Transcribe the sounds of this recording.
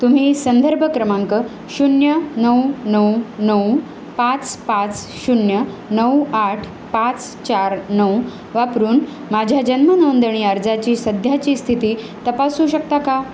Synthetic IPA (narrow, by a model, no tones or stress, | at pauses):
t̪um̤iːsənd̪ʱəɾbʱəkɾəmaŋkə | ɕunjənəwnəwnəw | pãt͡spãt͡s | ɕunjənəwaʈʰ | pãt͡s | t͡ɕaɾnəw | ʋapɾuːn | mad͡ʑʱjad͡ʑənmənond̪əɳ̃iːəɾd͡zat͡ɕiːsəd̪ʱjat͡ɕiːst̪ʰit̪iː | t̪əpasuːɕək̚t̪aka